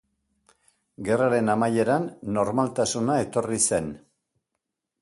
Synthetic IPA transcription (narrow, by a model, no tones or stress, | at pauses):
ɡe̞raɾe̞namaje̞ɾanːo̞ɾmalt̪asunae̞t̪o̞rise̞n